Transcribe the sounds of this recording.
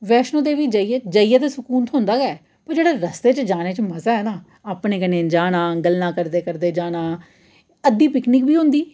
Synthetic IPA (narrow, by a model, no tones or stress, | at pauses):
ʋɛːʃnõːd̪eːʋiːd͡ʒəijd͡ʒəːijaːt̪eːsʊkuːnt̪ʰɦõːnd̪aːɡɛː | pəɾd͡ʒeːɽaːɾəst̪eːt͡ʃd͡ʒaːneːt͡ʃəməzaːɦɛːnaː | aːpɳeːkənẽːd͡ʒaːnãːɡəlnãːkəɾd̪eːkəɾd̪eːd͡ʒaːnaː | əd̪iːpɪkniːkbiːɦʊ̃nd̪iː